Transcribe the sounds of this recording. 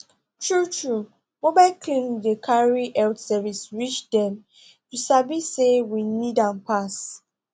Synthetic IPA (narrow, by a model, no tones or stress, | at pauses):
tʰɹutɹu | mobaɪlkʰlĩŋdəkʰaɹiʔɛltsɛvisɹit͡ʃdɛ̃m | tusabisewinidãnpas